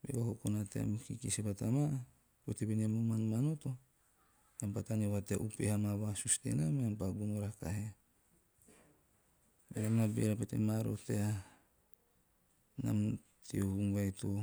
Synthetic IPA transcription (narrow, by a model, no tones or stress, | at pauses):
bḛohokonatea̰mkikisepatama | peteβeniamumanmanoto̞ | ampatanewateaʔupehamaβasustḛnameampaɡunoɾaka̰hea | benamnabḛɾapetḛmaɾo̰tea | na̰m | tʰeohuŋwajto